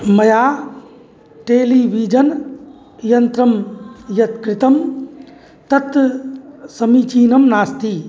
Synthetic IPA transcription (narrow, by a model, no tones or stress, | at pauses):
mɐjaː | ʈeːliʋid͡ʒɐn | jɐnt̪ɾɐmjɐt̪kɾɪt̪ɐm | t̪ɐt̪ | sɐmiːt͡ʃiːnɐmnaːst̪iː